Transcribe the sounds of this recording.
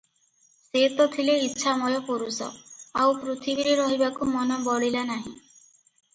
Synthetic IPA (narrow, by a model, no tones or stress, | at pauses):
set̪ɔk̪ʰileitːʃʰamɔjɔpoɾusɔ̰awpɾot̪ʰibiɾeɾɔɦibakumɔnɔbɔɽilanaɦĩ